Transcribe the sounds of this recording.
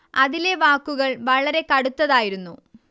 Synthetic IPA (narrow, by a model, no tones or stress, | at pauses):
ɐðile̞ʋaːkːuɣɐɭʋɐɭɐɾe̞kɐɽut̪ːɐðaːjiɾunːu